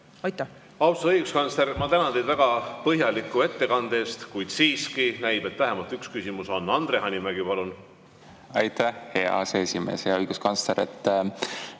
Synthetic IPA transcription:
ɑjt̪ː | ɑwsoɤjɡ̥uskɑnsleɾmɑt̪ænɑnd̪ejd̪væɡ̥ɑpɤɦjɑlikːue̞t̪ːe̞kɑnd̪̥e̞ːst̪kujd̪̥siːskinæjb̥e̞t̪ːvæɦemɑlt̪ˑykskysimuso̞nːɑnd̪̥ɾeɦɑnʲimæɡ̥ipɑlun | ɑjt̪æhhe̞ɑ̰seesʲime̞̰ːsjɑɤjɡ̥uskɑnsleɾet̪ːˑ

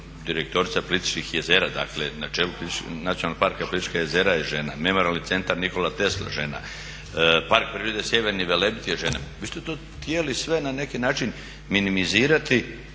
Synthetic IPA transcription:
d̪iɾek̚t̪o̞ɾit̪sapo̞lˠit̪i̥t͡ʃnixjeze̞ːɾad̪a̰kle̞nat͡ʃeːlupolit̪nat̪ionalːoɡ̚paɾkapolit̪it͡ʃkajezeːɾajeʒe̞na̰me̞moɾalnit̪se̞nt̪aɾniko̞lat̪e̞slˠa̰ʒena̰ | paɾk̚pɾiːɾed̪esje̞ʋeɾniʋe̞lebit̪ijeʒenaʋiːst̪et̪oː | t̪jelisʋe̞nane̞kinaːt͡ʃin | minimiziːɾat̪i

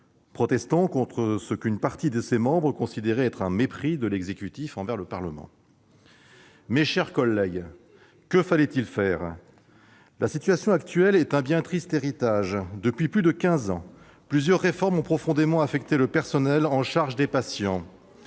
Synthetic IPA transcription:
pχɔt̪ɛst̪ɑ̃kɔ̃t̪χəsəkynpaʁt̪id̪əsemɑ̃bʁəkɔ̃sid̪eʁeɛt̪χɛ̃mepχid̪əlɛɡzekʲyt̪ifɑ̃vɛʁləpaʁləmɑ̰̃ | meʃɛʁkɔlːɛɡ | kəfalɛt̪ilfɛːʁ | lʔasit̪ɥasjɔ̃akt̪ɥɛlɛt̪ɛ̃bjɛ̃t̪χist̪eʁit̪aʒd̪əpɥiplyd̪əkʲɛ̃zɑ̃ | plyzjœʁːefɔʁmɔ̃pχɔfɔ̃d̪emɑ̃afɛkt̪eləpɛʁsɔnɛlɑ̃ʃaʁʒəd̪epasjɑ̃

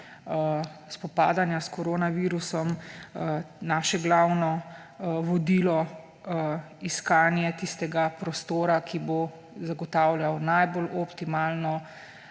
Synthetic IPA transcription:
spɔpa̰ːd̪anjaskɔɾoːnaʋiːɾusɔm | naːʃɛɡlawnɔ | ʋɔd̪iːlɔ | iskaːnjɛt̪ist̪ɛɡapɾɔst̪oːɾakʰibo | zaɡɔt̪aːwljawnajbolʔɔpt̪imaːlnɔ

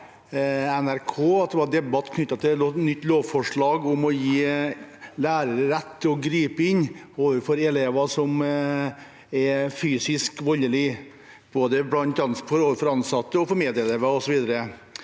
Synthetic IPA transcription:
ɛnæɾkʰoːɑt̪̚d̪ɛʋɑd̪ɛbɑt̪ːkʰnʏt̪ːɑt̪ʰɪnʏt̪ːloːʋfɔʂɭɑːɡʊmɔjiː | læːɾəɾəɾɛt̪ːɪɔɡɾiːpəɪnː | oːʋəɾfɔɾɛleːʋɑsɔm | ɛfyːsɪskʋɔlːəlɪ | b̥oːd̪əblɑnt̪ɑnsfɔɾoːʋəɾfɔɾɑnsɑt̪ːəɔfɔɾmeːd̪ɪəleːʋɑɔsɔʋiːd̪əɾə

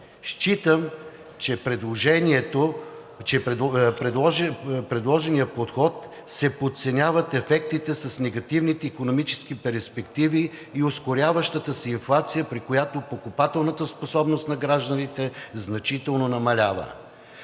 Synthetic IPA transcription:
ʃt͡ʃit̪əm | t͡ʃɛpɾɛd̪lˠoʒɛniɛt̪o | t͡ʃɛɛɾɛɔpɾɛd̪lˠɔʒɛnijəpot̪xɔt̪ | sɛpot̪sɛnʲavət̪ɛfɛk̚t̪it̪ɛsɐsnɛɡɐt̪ivnit̪ɛikonomit͡ʃɛ̥skipɛɾspɛkt̪iviːoskoɾʲjavəʃt̪ət̪əsɛinflˠat̪sijəpɾikojat̪opokʊpat̪ɛlˠnət̪əsposɔbnost̪nɐɡɾaʒd̪ənit̪ɛznɐt͡ʃit̪ɛlˠnonɐmɐlʲavə̰

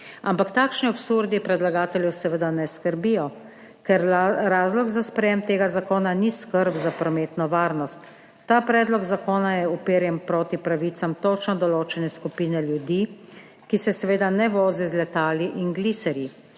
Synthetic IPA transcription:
ampakt̪aːkʃniɔpsuɾd̪ipɾɛd̪laɡaːt̪ɛljɛwsɛʋəd̪anɛskəɾbijɔ | kɛɾɾaːzlɔɡzaspɾɛjemt̪eːɡazakoːnaniskəɾbzapɾɔmeːt̪nɔʋaːɾnɔst̪ː | aːpɾɛːd̪lɔɡzakoːnajɛupeːɾjɛmpɾoːt̪ipɾaʋiːt̪samt̪ot͡ʃnɔd̪ɔloːt͡ʃɛnɛskupiːnɛljud̪iː | kisɛsɛʋeːd̪anɛʋoːzizlɛt̪aːliʔinɡlisɛɾji

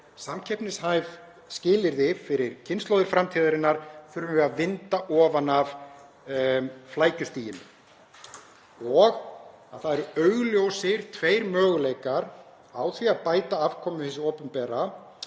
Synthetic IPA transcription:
samcʰɛpnɪshaːjv | scɪːlɪɾðɪfɪɾɪɾ̥cʰɪnst̪lowðɪɾ̥fɾamt̪ʰiːðaɾɪnːaɾ̥θʏɾʏmvɛaðvɪnt̪aʔɔːvanav | flaːjcʏst̪iːjɪnʏ̰ | ɔɣ | a̰ðθaðɛɾʏœɥɣljowsɪɾ̥t̪ʰveːjɾmœːɣlejkaɾ | aːwθviaðpaːjt̪aavkʰɔmʏθɛs̬ɪɔːpʏmpɛːɾa

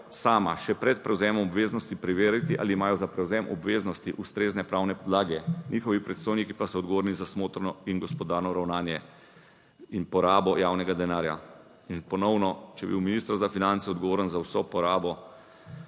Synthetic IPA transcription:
saːma̰ʃɛpɾɛt̪pɾɛwzɛmɔmɔbʋeːznɔst̪ipɾiʋeːɾit̪iʔa̰ːlimaːjɔzapɾɛwzɛmʔɔbʋeːznɔst̪iʔust̪ɾeːznɛpɾaːwnɛpɔd̪laːɡɛnʲixɔʋipɾɛt̪st̪oːjnikipasɔɔd̪ɡɔʋoːɾnizasmoːt̪ɾnɔinɡɔspɔd̪aːɾnɔɾawnaːnjɛ | inpɔɾaːbɔjaːwnɛɡad̪ɛnaːɾja̰ | inpɔnɔwnɔt͡ʃɛbḭwminist̪əɾzafinant̪sɛɔd̪ɡɔʋoːɾənzawsɔpɔɾaːbɔ

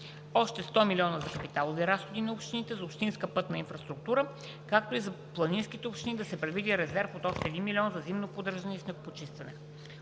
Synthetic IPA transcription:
ɔʃt̪ɛst̪ɔmilʲiɔnəzɐkɐpit̪alˠoviɾasxod̪inɐupʃt̪init̪ɛzopʃt̪inskəpɤt̪nɐinfɾəst̪ɾuk̚t̪uɾə | kak̚t̪oizɐ | plˠɐninskit̪ɛopʃt̪inid̪ɐsɛpɾɛd̪vid̪iɾɛzɛɾfot̪ɔʃt̪ɛːd̪inmilʲiɔnzɐzimnopod̪əɾʒənɛisnɛɡopot͡ʃist̪vɐnɛ

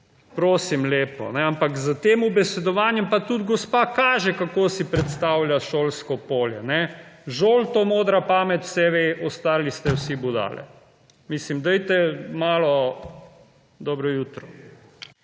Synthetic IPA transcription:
pɾoːsimleːpɔ̰nɛampakzət̪eːmubɛsɛd̪ɔʋaːnjɛmpat̪ud̪ɡɔspaːkaːʒɛkakoːsipɾɛt̪st̪awljaʃoːlskɔpoːljɛnɛʒoːlt̪oːmoːd̪ɾapaːmɛt̪w̥sɛʋeʔɔst̪aːɾlist̪ɛwsibud̪a̰lɛ̰ | mislimd̪ɛjt̪ɛmaːlɔ | d̪ɔːbɾɔjuːt̪ɾɔ

